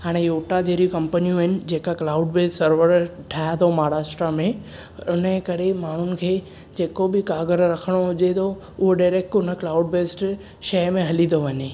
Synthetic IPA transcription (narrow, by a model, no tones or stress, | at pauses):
ɦaːɽ̃ejoːʈad͡ʑeːɾijukɐ̃mpənijũɦɪnɪ̆d͡ʑeːkaklaːʊɖbeːssɐɾʋəɾʈʰaːt̪ʰomaːɾaːsʈɾamẽ | ʊnəkɐɾemaːɳ̤ʊnɪ̆kʰeː | d͡ʑeːkobɪkaːɡəɾɾɐkʰəɽ̃oɦʊd͡ʑet̪ʰo | ʊɦoɖaːɾeːk̚ʈʊnə̆klaːʊɖbeːsʈ | ʃɐmẽɦɐlĩnd̪oʋɐɲeː